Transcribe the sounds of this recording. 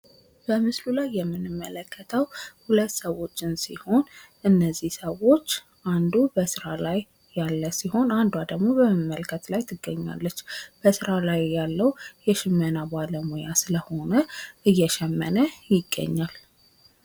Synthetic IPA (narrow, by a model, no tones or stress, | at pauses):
b̥əmɨslulajːɛmːɨnɨmːələkːət̪ʰəwhulət̪ːsəwo̞t͡ʃːɪnsḭho̞n | ʔɨnːəzːihsəwo̞t͡ʃː | ʔand̪ubəsɨɾalajː | alːəsiho̞nand̪wad̪əɡmo̞bəmɨmːəlkʰət̪lajt̪ʰɨɡːəɲːa̰lːət͡ʃːb̥əsɨɾalajjːalːəwjɛʃɪmːənabaləmojasɨləho̞nəʔɨjːɛʃɛmːə̰nəjɪɡːə̰ɲːal